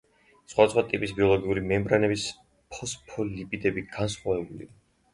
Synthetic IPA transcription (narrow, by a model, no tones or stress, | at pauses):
sχwad̪asχwat̪ʼipʼisbiɔlˠɔɡiuɾimɛmbɾanɛbis | pʰɔspʰɔlipʼid̪ɛbiɡ̥ansχwavɛbulḭa